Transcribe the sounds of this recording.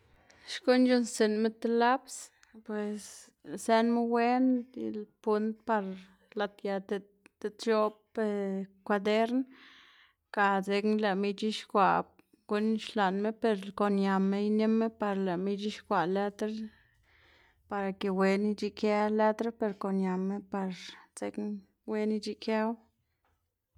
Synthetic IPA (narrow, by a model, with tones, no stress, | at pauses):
ʃko˦nd͡ʒu˦nse˨nme˦t̪e˧la˦ps | pwe˨s | se˧nme˦we˦nḭ˧lpu˦nt̪̚pa˧ɾ | la˧t̪ja˧t̪e˧ | t̪e˧t̪t͡ʃo˦pe˧kʷa˧d̪e˦ɾn | ka˧˨ze˧knle˨mi˧t͡ʃi˦ʃkʷa˨ | ɡ̥u˦nʃla˨nme˦pe˧ɾko˨nja˨me˦jne˦me˦pa˧ɾle˨mi˧t͡ʃi˦ʃkʷa˨le˦t̪ɾe˦ | pa˧ɾa˨ke˨we˧˦ni˧t͡ʃi˧ke˧le˦t̪ɾe˦pe˨ɾko˨nja˨mːe˦pa˧ɾze˧kn | we˧˦ni˧t͡ʃi˧ke˦w